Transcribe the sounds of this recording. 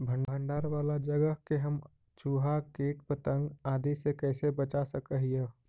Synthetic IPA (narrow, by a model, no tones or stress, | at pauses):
bʱə̃ɳɖʱə̃ɳɖaːɾʋaːlad͡ʒəɡəɦkeɦəm | t͡ʃuːɦakeːʈ̚pət̪ə̃ŋɡaːd̪isekɛːsebət͡ʃasəkəɦijə